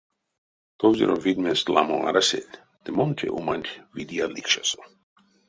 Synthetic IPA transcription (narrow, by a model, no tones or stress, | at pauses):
t̪ovzʲḭɾovid̪mest̪lamoa̰ɾasʲḛlʲ | d̪̥emont̪ʲʰḛʔumanʲt̪ʲvid̪ialikʃaso